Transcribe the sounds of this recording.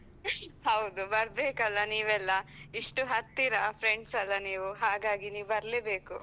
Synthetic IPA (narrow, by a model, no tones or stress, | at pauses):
hɐwd̪ubɐɾbeːkɐlːɐniːʋɛlːɐiʂʈuɦɐt̪ːiɾɐpʰɾeɳɖsɐlːɐniːʋuɦaːɡaːɡiniːʋubɐɾleːbeːku